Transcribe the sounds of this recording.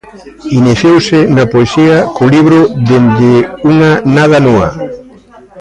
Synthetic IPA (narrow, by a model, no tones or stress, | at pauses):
iniθjowsɪnɐpoesiɐkʊliβɾʊd̪end̪ɪuŋɐnað̞ɐnõa̰